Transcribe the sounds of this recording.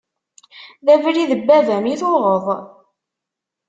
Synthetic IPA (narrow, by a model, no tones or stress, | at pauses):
ðævɾiðəbːævæmiθoʁəðˤ